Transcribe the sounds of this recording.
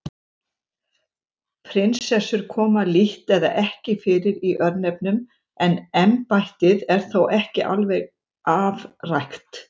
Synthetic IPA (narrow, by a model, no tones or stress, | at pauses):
pʰɾɪnsɛsːʏɾ̥kʰɔːmaliht̪ɛða̰ʔɛhcɪfɪːɾɪɾiʔœɾnɛp̚nʏm | ɛnɛmpajht̪ɪðɛɾ̥θowʔɛhcɪʔa̰lvɛɣ | avrajxt̪